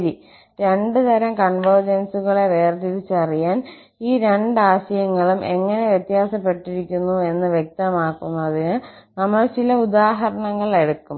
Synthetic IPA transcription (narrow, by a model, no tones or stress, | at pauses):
ɐɾi | ɾe̞ɳɖɨt̪ɐɾɐmkɐɳʋɐrd͡ʑɐnsuɣɐɭeʋeːrd̪iðit͡ɕːɨɐrijaːn | iːɾe̞ɳɖɨaːɕɐjɐŋːɐɭumʔe̞ŋːɐne̞ʋjet̪jaːsɐpːe̞ʈːiɾikʲːunːue̞nːɨʋjek̚t̪ɐmaːkːunːɐðinɨnɐmːɐɭt͡ɕilɐud̪aːɦɐɾɐɳɐŋːɐɭe̞ɽukːum